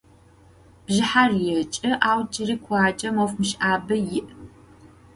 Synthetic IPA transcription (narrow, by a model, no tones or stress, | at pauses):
b̥ʒɪħarjɛt͡ʃʼɐʔaːwd͡ʒʼɪriːkʷʰaːt͡ʃʼɐmowfmɨʃʔaːbɐjɪʔ